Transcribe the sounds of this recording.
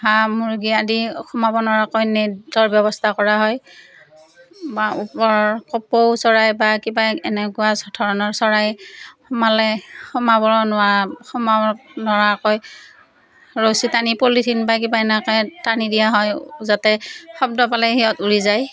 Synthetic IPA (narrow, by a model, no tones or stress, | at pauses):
ɦamuɹɡiadixʰɔmabɔnɔɹakɔjnɛdɔɹbjɔbɔstʰakɔɹaɦɔj | baupɔɹkɔpowsɔɹajbakibaɛnɛkʊwasɔtʰɔɹɔnɔɹsɔɹajxɔmalɛxɔmabɔɹɔnaxɔmanɔɹakɔj | ɹositanipolitʰinbak̬ibaɛnɛkɔjtanidijaɦɔjzatɛxɔb̚dɔpalɛɦiɔtuɹizaj